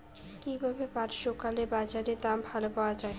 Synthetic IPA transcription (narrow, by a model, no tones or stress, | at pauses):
kibʱabepaɾʃokalebad͡ʑaɾet̪abʱalopaoad͡ʑae